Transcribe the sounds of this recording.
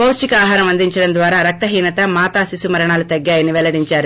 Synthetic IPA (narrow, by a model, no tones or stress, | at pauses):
pɐwsʈikɐaːɦaːɾɐmɐnd̪iɲt͡ʃɐɽɐnd̪ʋaːɾaːɾɐk̚t̪ɐɦiːnɐt̪ɐmaːt̪aːsisumɐɾɐɳaːlut̪ɐɡːaːjɐniʋɛlɐɽiɲt͡ʃaːɾu